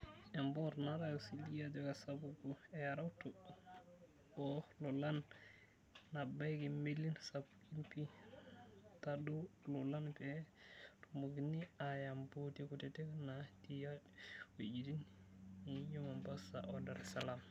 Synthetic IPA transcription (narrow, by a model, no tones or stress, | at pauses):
ɛmbɔɾnaɾajɔsilijad͡ʒɔkasabuɡuɛaɾawtu | ɔlɔlanː | abajɡimilːinsabukinpi | tadulɔlanbɛtumbuɡiniajambotikutɛtɛknatijawod͡ʒidinijɔmambasa̰ʔɔdaɾɛsalam